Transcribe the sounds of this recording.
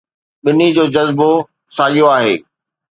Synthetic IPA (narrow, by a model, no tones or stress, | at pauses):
ɓɪnid͡ʑoːd͡ʑɐzbo | saːɡijoaːɦḛː